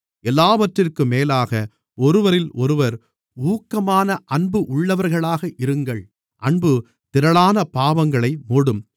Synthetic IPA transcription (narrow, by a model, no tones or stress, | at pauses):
ɛlːaːʋɐʈrɪrkɯmeːlaːɣɐ | ɔɾɯʋɐɾɪlʔɔɾɯʋɐɾ | uːkːɐmaːnɐʔɐɳbɯʔʊɭːɐʋɐɾɣɐɭaːɣɐʔɪɾɯŋɡɐɭ | ʔɐɳbɯ | t̪ɪɾɐɭaːnɐpaːʋɐŋɡɐɭɐɪmoːɽɯm